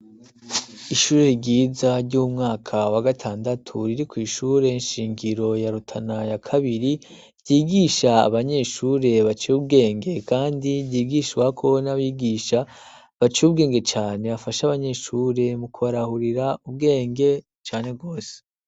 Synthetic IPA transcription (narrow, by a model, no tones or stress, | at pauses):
iʃuːɾe̞ɟiːzaɾɟumŋaːkʰawaɡatʰaːndatʰuɾiɾikwiːʃuːɾe̞inʃiːŋɡiɾo̞jaɾutʰanajakʰaβiɾi | ɾɟiːɡiʃa̰ːβaɲe̞ʃuːɾe̞βat͡ʃiub̚ɡe̞ːŋɡe̞kaːndiɟiːɡiʃwakʰo̞naβiɡiːʃa | βat͡ʃiubɡe̞ːŋɡe̞t͡ʃaːne̞βafaʃaβaɲe̞ʃuɾe̞mukuβaɾahuɾiɾaub̚ɡe̞ːŋɡe̞ | t͡ʃaːne̞b̚ɡo̞ːse̥